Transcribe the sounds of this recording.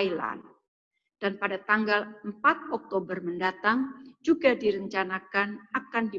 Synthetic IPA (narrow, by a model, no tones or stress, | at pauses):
la̰n | d̥anpadat̪aŋɡaləmpat̪̚ɔk̚t̪obərməndat̪aŋd͡ʒuɡadiɾəɲt͡ʃanakanakandi